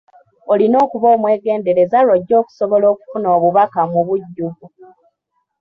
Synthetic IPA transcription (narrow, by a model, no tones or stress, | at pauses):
olino̞ːkuβo̞ːmwe̞ːɡe̞ːnde̞ɾe̞zaɾoɟːo̞ːku̥soβolo̞ːku̥funo̞ːβuβakamuβuɟːuɡu